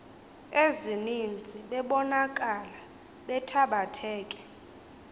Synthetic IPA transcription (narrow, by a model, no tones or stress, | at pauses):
ezinind͡zʱiɓɛɓɔnakʼala | ɓɛtʰaɓatʰɛːkʼɛ̥